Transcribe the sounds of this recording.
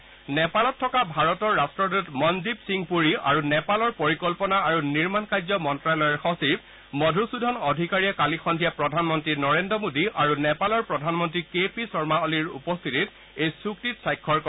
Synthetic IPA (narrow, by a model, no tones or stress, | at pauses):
nɛpalɔtʰːɔkabʱaɹɔtɔɹːastɹɔdutmɔnzibsiŋpuɹia̰ɹunɛpalɔɹpoɹikɔlpɔnaaɹuniɹmankajzɔmɔntɹalɔjɔɹxɔsib | mɔdʱusudʱɔnɔdʱikaɹijakalixɔndʱijapɹɔdʱanmɔntɹinɔɹendɹɔmodiʔaɹunɛpalɔɹpɹɔdʱanmɔntɹikepisɔɹmaɔliɹṵpɔst̪ʰitit | ejsuktitsajkʰːɔɹkɔ